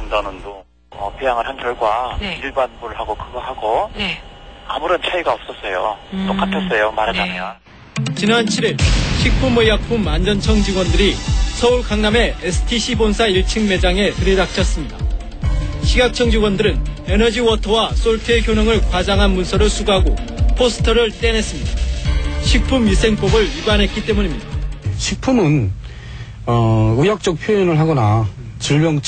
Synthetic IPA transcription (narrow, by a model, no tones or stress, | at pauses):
ndʌnɯndo | ʌ̰pʰijaŋɯɭhanɡjʌɭɡwaiɭbanbuɾɯɭɦaɡokɯɡʌɦaɡo | a̰muɾʌnt͡ɕʰaiɡaʌp̚s͈ʌs͈ʌjookʰapʰjʌs͈ʌjomaɾad͡ʑanɯjʌn | t͡ɕinant͡ɕʰiɾiɭɕʰik̚p͈ʰumʌjjak̚pʰumand͡ʑʌnt͡ɕʰʌŋd͡ʑiɡwʌndɯɾisʰʌuɭkaŋname̞esʰɯ̥tʰiɕʰibonsʰaiɭt͡ɕʰɯŋme̞d͡ʑaŋe̞tɯɾidak̚t͡ɕʰʌs͈ɯmɲida | ɕʰiɡak̚t͡ɕʰʌŋd͡ʑiɡwʌndɯɾɯne̞nʌd͡ʑiwʌtʰʌwas͈oɭtʰeçjonʌŋɯɭkwad͡ʑaŋɦanmunsʰʌɾɯɭsʰuɡaɡopʰosʰɯ̥tʰʌɾɯɭt͈e̞ne̞s͈ɯmɲid̥aɕʰik̚pʰumjisʰe̞ŋp͈obɯɭiɡanɦe̞t̚k͈it͈e̞muɲimɲidaɕʰik̚pʰumɯn | ʌujak̚t͡ɕ͈ʌk̚pʰjoinɯɭɦaɡʌna | t͡ɕiɭbjʌŋt͡ɕ